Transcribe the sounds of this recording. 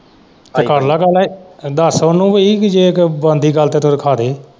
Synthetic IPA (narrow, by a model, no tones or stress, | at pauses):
t̪ekəɾlaːɡəleːd̪əsʊnːũːʋoikd͡ʒeːkbə̃ːnd̪iːɡəlt̪eːt̪oɾkʰaːd̪eː